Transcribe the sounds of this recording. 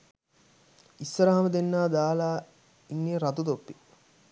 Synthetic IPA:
isːəɾəɦaməd̪enːaːd̪aːlaː | iŋːeːɾat̪ud̪opːi

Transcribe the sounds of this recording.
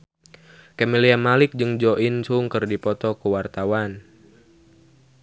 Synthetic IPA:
kameliamalɪk̚d͡ʒɨŋd͡ʒɔʔinsuŋkɨrdipɔt̪ɔkuwart̪awan

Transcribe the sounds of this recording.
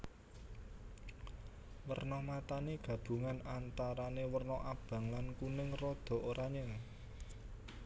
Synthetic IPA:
wərnɔmat̪aneɡ̥ä̤b̥ṳŋanant̪aɾanewərnɔʔab̥ä̤ŋlankunɪŋrɔd̪̥ɔ̤ʔoɾʔaɲəŋ

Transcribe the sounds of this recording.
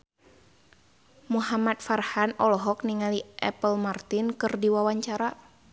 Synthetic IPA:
muɦamat̪̚farhanɔlɔɦɔk̚niŋaliʔɛ̰pəlmart̪ɪnkɨrdiwawaɲt͡ʃaɾa

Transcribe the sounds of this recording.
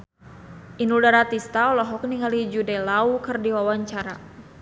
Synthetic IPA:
ʔinuldaɾat̪ist̪aɔlɔɦɔkniŋalid͡ʒudalaukɨrdiwawaɲt͡ʃaɾa

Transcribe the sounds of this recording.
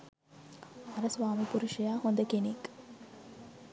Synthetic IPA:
ɐɾɐsʋaːmipuɾuʃɐjaːhond̪ɐkenek

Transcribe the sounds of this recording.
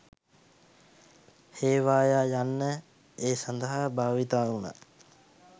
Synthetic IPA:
heːʋaːjaːjanːə | eːsand̪əɦabaːʋit̪aːuna̰

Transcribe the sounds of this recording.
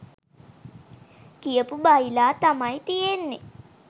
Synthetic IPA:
kijəpubailaːt̪amajt̪ijenːe

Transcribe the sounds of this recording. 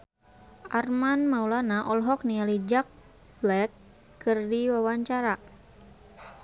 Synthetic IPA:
ʔarmanmaulanaʔɔlɦɔk̚nialid͡ʒak̚ | blɛkː | ɨrdiwawaɲt͡ʃaɾa

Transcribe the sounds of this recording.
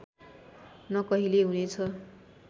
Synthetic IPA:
nʌkʌɦileɦunet͡sʰʌ

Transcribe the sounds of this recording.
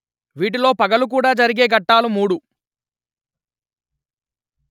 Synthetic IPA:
ʋiːʈ̬ilo̞ːpɐɡɐluk̬uːɽaːd͡ʒɐɾiɡe̞ːɡɐʈːaːlumuːɽu

